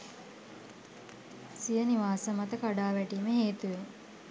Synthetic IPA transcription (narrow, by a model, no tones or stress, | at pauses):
sijəniʋaːsəmat̪əkaɖaːʋæʈiːməɦeːt̪uʋe